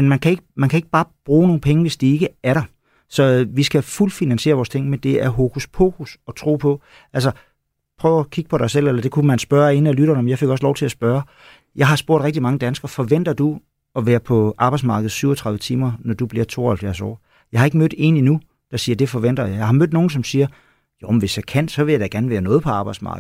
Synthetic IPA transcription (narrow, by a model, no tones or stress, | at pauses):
menmænkʰæe̝ɡ̥əmænkʰæe̝ɡ̥əb̥ɑ̈ːb̥ʁṵːno̝ːn̩pʰeŋəʋe̝sd̥ie̝ɡ̥əæɐɾ̥ɑ | sɒ̽ʋisɡ̥æful̰finænsɕe̝ːɐʋɒːst͡sʰe̝ŋ̰mend̥e̝æɐɦo̝kʰuspʰo̰kʰusɒ̽t͡sʰʁo̝̰ːpʰɒ̽ | ʔælsɐ | pʰʁœːʊækʰiɡ̥ə̥pʰɒ̽ɾɑ̈ɪsel̰elɐd̥e̝kʰumænsb̥ɶɐe̝nəælyɾ̥ɐnəmejɑɪfe̝ɡ̥ɒ̽slɒʊt͡sʰe̝æsb̥ɶːɐ | jɑ̈ɪɦɑ̈sb̥o̝ɐɾ̥ʁeɡ̥̚d̥imɑ̈ŋəd̥ænsɡ̥ɐfɒ̽ʋen̰d̥ɐd̥u | ɒ̽ʋæːɐpʰɒ̽ʔɑ̈ːb̥ɑ̈ɪdsmɑ̈ːɡ̥əð̩ˠsyʊ̰ɒt͡sʰʁɑ̈ðˠʋət͡sʰiːmɐnɒd̥ub̥liɐ̰t͡sʰo̝ːɐhælfjæɐsɒ̰ː | jɑ̈ɪhɑ̈e̝ɡ̥mød̥e̝̰ninu | d̥ɑ̈siːɐd̥e̝fɒʋen̰d̥ɐjɑ̈jɑ̈ɪhɑ̈mød̥no̝ːn̩sɒ̽msiːɐ | jom̩ʋe̝sjɑ̈kʰæn̰sɒ̽ʋe̝ljaɪd̥æɡ̥æɐn̩ʋæːɐnɔ̽ːð̩ˠpʰɒ̽ɑ̈ːb̥ɑ̈ɪ̥smɑ̰̈ːɡ̥̩ˠ